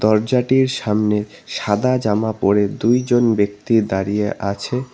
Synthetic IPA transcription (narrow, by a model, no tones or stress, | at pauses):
d̪ɔɾd͡ʑaʈiɾʃamneʃad̪ad͡ʑamapoɾed̪ujd͡ʑonbek̚t̪id̪aɾijeʔat͡ɕʰe